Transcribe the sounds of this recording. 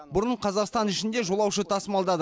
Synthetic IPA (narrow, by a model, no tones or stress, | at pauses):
bʊɾəɴqʰɑzɑqst̪ɑnɪʃɪnd̪e̞ʒo̞lˠɑwʃət̪ʰɑsmɑlˠd̪ɑd̪